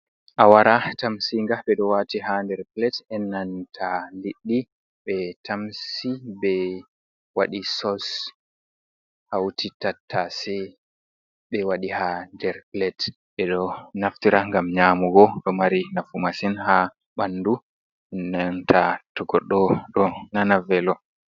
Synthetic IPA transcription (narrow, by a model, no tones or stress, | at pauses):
ʔawaɾatamsiŋɡaɓɛɗɔwatiɦandɛɾplɛtɛnːantʰaliɗːi | ɓɛtʰamsibɛ | waɗisɔs | hawtʰitatʰːasɛ | ɓɛwaɗihandɛɾplɛt | ɓɛɗɔnaftiɾaŋɡamɲaːmuɡɔɗɔmaɾinafumasinha | ɓanːdu | ɛnːantʰatɔɡɔɗːɔɗɔnanavɛlɔ